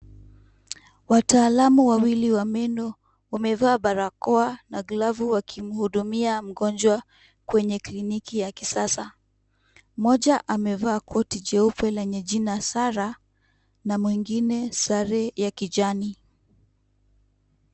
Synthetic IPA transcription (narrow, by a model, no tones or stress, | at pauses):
wataːlamuwawiliwamɛndɔ | wamɛvaːɓaɾakɔanaɡlavuwakʰim̩huɗumiam̩ɡɔnd͡ʒwa | kwɛɲɛklinikijakisasa | mɔʄaʔamɛvaːkʰɔtid͡ʒɛupɛlɛɲɛʄinasaɾa | namwiŋɡinɛsaɾɛjakid͡ʒani